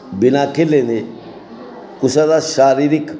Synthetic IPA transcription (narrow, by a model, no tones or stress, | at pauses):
bɪnakːelːene | kʊsad̪aʃaːɾiɾik